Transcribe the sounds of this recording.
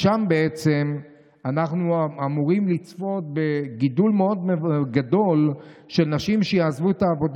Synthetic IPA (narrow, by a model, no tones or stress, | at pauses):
ʃambe̞et͡se̞m | anaχnuamuʁimlit͡sfo̞t̪̚be̞ɡidulmeo̞d̪meɡado̞l | ʃe̞lnaʃimʃejaːzvuet̪aːvo̞d